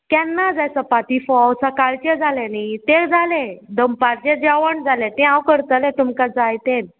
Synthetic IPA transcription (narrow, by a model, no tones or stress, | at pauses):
kɛnːad͡zajsəpat̪ifɔwsakaɭt͡ɕɛd͡zalenit̪ekd͡zalẽd̪əmpaɾt͡ɕɛ̃d͡ʑaʋəɳd͡zalɛ̃t̪ɛ̃ãwkəɾt̪əlɛ̃t̪umkad͡zajt̪en